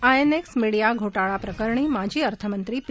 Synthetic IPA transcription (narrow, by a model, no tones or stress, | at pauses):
ajeneksmiɽijaɡʱoʈaɭapɾəkəɾɳ̃imad͡ʑʱiːəɾt̪ʰəmənt̪ɾip